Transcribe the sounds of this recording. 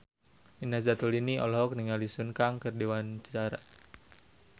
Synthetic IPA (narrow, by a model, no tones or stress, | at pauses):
minasat̪uliniʔɔ̰lɦɔk̚niŋalisunkaŋkərdewant͡ʃaɾaʔ